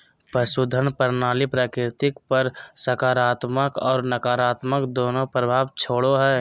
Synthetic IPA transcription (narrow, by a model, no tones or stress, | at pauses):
pɾəsud̪ʱənpəɾnaːlipɾaːkɾɾɪt̪ɪkpəɾsəkaːɾaːt̪məkɔːɾnəkaːɾaːt̪məkd̪oːnopɾəbʱaːʋt͡ʃʰoːɽoɦɛː